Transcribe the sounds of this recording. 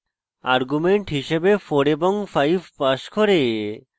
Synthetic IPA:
a̰ɾɡumeɳʈɦiʃebefoɾeboŋfajbʱpaʃkoɾe

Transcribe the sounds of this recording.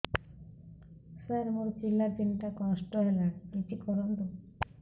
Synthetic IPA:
saɾmoɾt͡ɕilːat̪inʈakɔsʈɔɦelakit͡ʃikɔɾɔnd̪o

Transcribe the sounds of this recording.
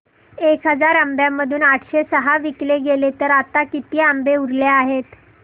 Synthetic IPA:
ekɦəd͡zaɾambjamːəd̪ʱuːnaʈʰɕesəɦaʋikleɡelet̪əɾat̪akit̪iːambeuɾleaɦet̪

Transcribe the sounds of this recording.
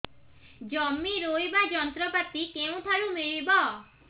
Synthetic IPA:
d͡ʒɔmːiɾojbad͡ʒɔnt̪ɾɔpat̪ikeũt̪ʰaɭũmiɭibɔ

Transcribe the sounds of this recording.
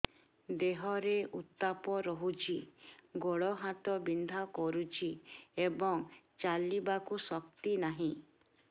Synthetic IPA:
d̪eɦɔɾeut̪ːapɔɾɔɦut͡ʃʰiɡoɭɔɦat̪ɔbind̪ʱakɔɾut͡ʃʰiebɔŋ | t͡ʃalibakusɔkt̪inaɦĩ

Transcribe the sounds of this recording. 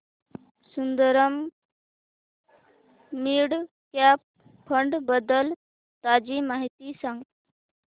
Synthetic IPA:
sund̪əɾəm | iɽ | kap | pʰːəɳɖbəd̪əl | t̪ad͡ʑimaɦit̪isə̃ŋɡ

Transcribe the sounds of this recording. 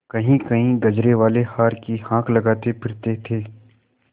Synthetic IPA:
kɐɦĩkɐɦĩɡɐd͡ʒɾeʋaːlehaːɾkihãːkʰlɐɡaːt̪epʰɪɾt̪et̪ʰeː

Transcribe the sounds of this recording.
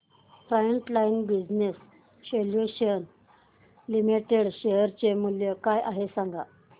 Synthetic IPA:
fɾajeɳʈlajinbid͡ʑnes | seljuɕən | limiʈeɽɕeɦəɾt͡ɕemuljəkajʔaɦesaŋɡa̰

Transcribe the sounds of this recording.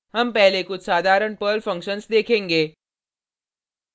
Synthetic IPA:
ɦɐmpɛɦlekʊt͡ʃʰsaːd̪ʱaːɾəɳpəːlfʰɐ̃ŋkʃənsd̪eːkʰẽːŋɡeː

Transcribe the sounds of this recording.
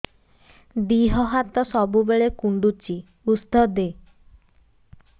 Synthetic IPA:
d̪iɦɔɦat̪ɔsɔbubeɭekuɳɖut͡ʃi | usd̪ɔd̪e

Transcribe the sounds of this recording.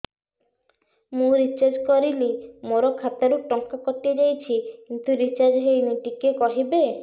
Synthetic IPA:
mũɾit͡ʃaɾd͡ʒkɔɾilimoɾɔkʰat̪aɾuʈɔŋkakɔʈied͡ʒajt͡ʃʰikint̪uɾit͡ʃaɾd͡ʒɦejmiʈikekɔɦibe

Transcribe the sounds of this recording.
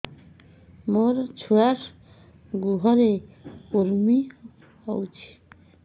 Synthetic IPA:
moɾt͡ɕʰuaʂ | ɡuɦɔɾekoɾmi | ɦɔwt͡ɕʰi̥

